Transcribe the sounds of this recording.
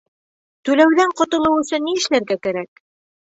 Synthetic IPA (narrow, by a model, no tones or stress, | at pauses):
t̪ʉlæwðæɴqŏt̪ɤ̆lˠɤwɵ̆sɵnːiɘ̆ʃlæɾɡækæɾæk